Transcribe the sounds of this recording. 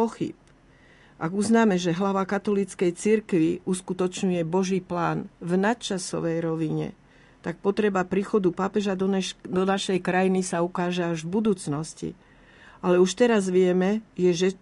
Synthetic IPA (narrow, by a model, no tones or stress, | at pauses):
ɔxḭp̚ | ʔaɡuznaːmɛʒɛɦlaʋakat̪ɔlit͡skɛjt͡siɾkʋiʔuskut̪ɔt͡ʃɲujɛbɔʒiːplaːnvnat̪̚t͡ʃasɔ̰ʋɛjɾɔʋiɲɛ̰ | t̪ak̚pɔt̪ɾɛbapɾiːxɔd̪upapɛʒad̪ɔnɛd̪ɔnaʃɛjkɾajinisaukaːʒɛaʒvbud̪uːt͡snɔscḭ | alɛuʃt̪ɛɾazʋɪɛmɛjɛʒɛ